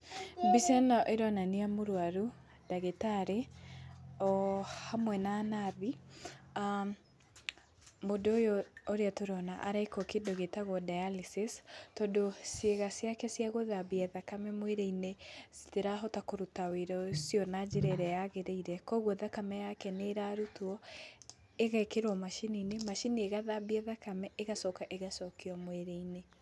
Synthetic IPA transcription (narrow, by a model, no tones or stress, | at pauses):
bisɛnaʔeɾwananiamoɾwaɾu | d̥aɣetaɾe | ɔhamwɛnaːnaðia | modojooɾeatoɾɔnaʔaɾakɔkedoɣetaɣwɔdajalisistɔdosjeɣasjakɛsjaɣoðabiɛðakamɛmweɾeinesi̥teɾaɦɔtakoɾutaweɾɔsjɔnad͡ʒeɾɛɾɛjaɣeɾeiɾɛkɔɣwɔðakamɛjakɛneɾaɾutuɔ | eɣaekeɾwɔmaʃininemaʃinieɣaðabiɛðakamɛʔeɣasɔkaʔeɣasɔkiɔmweɾeine